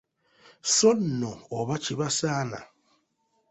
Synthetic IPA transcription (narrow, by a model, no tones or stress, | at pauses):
sɔnɔɔβat͡ʃiβasaːna̰